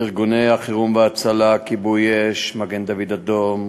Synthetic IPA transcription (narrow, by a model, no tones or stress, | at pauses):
iʁɡunejaχiʁumveat͡salakibujeʃmaɡend̪avid̪ad̪om